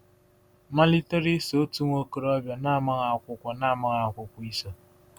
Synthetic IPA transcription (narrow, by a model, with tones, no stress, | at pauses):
ma˦li˦te˦ɾi˦so˨˦tu˦ŋʷo˦ko˨ɾɔ˦bja˨na˦˨ma˦ɣa˨a˨kʷʊ˦kʷa˨na˦˨ma˦ɣa˨kʷʊ˨kʷi˦so˨